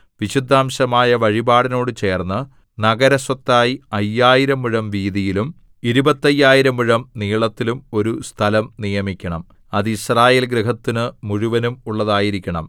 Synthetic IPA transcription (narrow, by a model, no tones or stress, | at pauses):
ʋiɕid̪ʱːaːmɕɐmaːjɐʋɐɻibaːɽino̞ːɽɨt͡ɕe̞ːrnːɨ | nɐɡɐɾɐswɐt̪ːaːjiɐjːaːjiɾɐmiɻɐmʋiːðijilum | iɾubɐt̪ːɐjːaːjiɾɐmuɻɐmniːɭɐt̪ːilumo̞ɾust̪ʰɐlɐmnijɐmikʲːɐɳɐm | ɐðiɕraːje̞ːlɡɾɨɦɐt̪ːinɨmuɻuʋɐnumuɭːɐðaːjiɾikʲːɐɳɐm